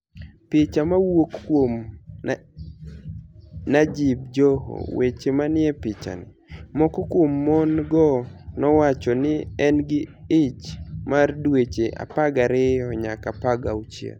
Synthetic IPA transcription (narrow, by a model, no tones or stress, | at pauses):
pɪt͡ʃamawokːwom | nad͡ʒib̚d͡ʒɔɦo̰wet͡ʃemanɪɛpɪt͡ʃa̰nɪ̰ | mɔkɔkwomːɔnɡɔnɔwat͡ʃɔnɪɛnɡɪɪt͡ʃmardwet͡ʃeʔa̰paɡaɾɪɔɲakapaɡaut͡ʃjḛ